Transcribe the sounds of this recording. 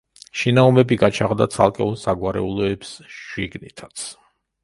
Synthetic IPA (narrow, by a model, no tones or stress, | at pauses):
ʃinaɔmɛbiɡat͡ʃʰaʁd̪at̪sʰa̰lˠkʼɛɔnsaɡwaɾɛ̰ulˠɔɛpsʃiɡnit̪ʰat̪sʰ